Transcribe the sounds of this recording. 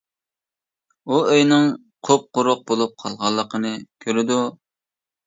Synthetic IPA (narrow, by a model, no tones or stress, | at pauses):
uøjnɪŋ | qʰop̚qʊɾʊq̚bolˠup̚qʰɑlˠʁɑlˠːəqʰənɨkʲʰøɾɪd̪u